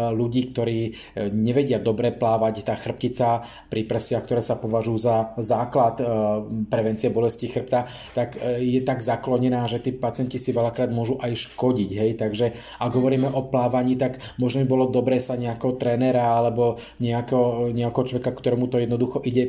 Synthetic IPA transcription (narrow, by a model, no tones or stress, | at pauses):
luɟiːkt̪ɔɾiː | ɲɛʋɛɟɪad̪ɔbɾɛplaːʋact̪aːxr̩p̚cit͡sa | pɾipr̩sɪakt̪ɔɾɛːsapɔʋaʒujuzazaːklat̪pɾɛʋɛnt͡siɪɛbɔlɛscixr̩p̚t̪a | t̪akjɛt̪aɡzaklɔɲɛnaːʒɛt̪iːpat͡sɪɛncisiʋɛlakɾaːd̪mʊɔʒuʔajʃkɔɟiɟɦɛjt̪aɡʒɛ | aɡɦɔʋɔɾiːmɛʔɔplaːʋaɲiːt̪aɡ | mɔʒnɔbibɔlɔd̪ɔbɾɛːsaɲɛakɛɦɔt̪ɾɛːnɛɾaalɛbɔ | ɲɛakɛɦɔɲɛakɛɦɔt͡ʃlɔʋɛkakt̪ɔɾɛmut̪ɔjɛd̪nɔd̪uxɔʔiɟɛ